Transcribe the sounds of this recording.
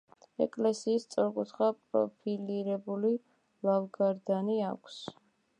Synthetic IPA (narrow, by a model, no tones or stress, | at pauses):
ɛkʼlɛsiːst̪sʼɔɾqʼut̪ʰχapʼɾɔ̰pʰiliɾɛbuli | lalɡaɾd̪ania̰kʷʰs